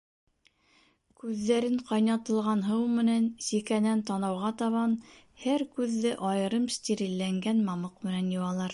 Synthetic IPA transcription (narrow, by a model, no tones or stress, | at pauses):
kʉðːæɾɘɴqɑjnɑt̪ɤ̆lˠʁɑnɦɤwmɘ̆nænsikænænt̪ɑnɑwʁɑt̪ɑβɑn | hæɾkʉðːɘʔɑjɤ̆ɾɤmst̪ʲiɾilːæŋɡænmɑmɤqmɘ̆nænjŏwɑlˠɑɾ